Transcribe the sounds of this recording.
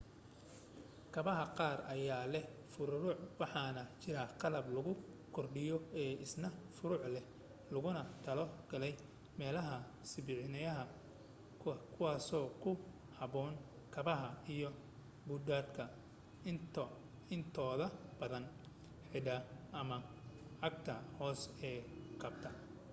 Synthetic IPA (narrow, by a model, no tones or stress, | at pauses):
kʰɐβɐɦɐqɑːrɐjaːlɛfʊɾʊɾʊʕwɑħɑːnɐt͡ʃɪɾɐqɑlɐblɐɣʊ | kʰɔrɖɪjɔɛːʔɪsnɐfʊɾʊʕlɛ | lʊɣʊnɐt̪ʰɐlɔɡɐlɛj | mɛːlɐɦɐ | sɪbɪʕɪnɐjɐɦɐ | kʰʊwɑːsɔːkʰʊ | hɐβɔːn | kʰɐβɐɦɐijɔ | bʊd̪aːd̪kʰɐ | ɪnt̪ʰɔːðɐb̥ɐðɐn | ħɪɖɐʔɐmɐ | ʕɑɡ̚t̪ʰɐhɔːsɛːqʰɐbt̪ʰɐ